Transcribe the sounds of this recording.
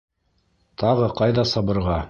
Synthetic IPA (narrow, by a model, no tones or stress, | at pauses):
t̪ɑʁɤqɑjðɑsɑβɤ̆ɾʁɑ